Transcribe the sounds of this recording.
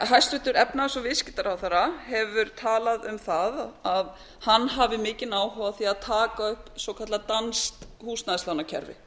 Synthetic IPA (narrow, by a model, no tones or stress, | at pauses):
ɦajst̪ɾʏht̪ːʏɾɛpnasɔvɪscɪ̥t̪aɾawθaɾahɛvʏɾt̪ʰaːlaðʏmθaðað | hanːɦavɪmɪːcɪnaːwɦɔvaθiaðt̪ʰaːkaʏhpsɔwkʰat̪lat̪anst̪huːsnaðslawnacʰɛ̰ɾvɪ̰